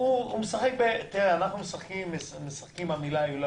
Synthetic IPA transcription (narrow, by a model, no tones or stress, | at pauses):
uumesaχek̚bet̪iʁeanaχnumesaχkimesmesaχkimamilajulo